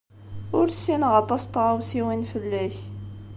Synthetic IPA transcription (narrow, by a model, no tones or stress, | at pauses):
ʊɾsinʁɑt̪ˤɑst̪ʁawsiwinfəlːæç